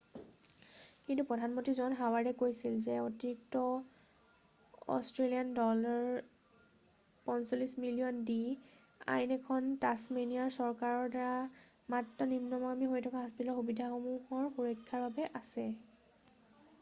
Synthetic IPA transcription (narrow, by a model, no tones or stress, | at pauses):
kintupɹɔdʱanmontizɔnɦawaɹdɛkojsilzɛotiɹik̚tɔ | ɔ̰stɹeliandɔlaɹ | pɔnsolismilijɔndi | a̰jnɛkʰɔntasmenijaɹsɔɹkaɹɔɹdaɹa | matːɔnimnɔmamiɦojtʰɔkaɦɔspitalɔxubidʱaxomuhɔɹxuɹɔjkʰːaɹbabɛʔasɛ